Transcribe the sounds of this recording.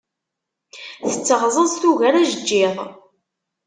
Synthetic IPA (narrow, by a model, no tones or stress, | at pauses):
θət͡sːəʁzˤənst̪uɣæɾæʒəd͡ʒːɪðˤ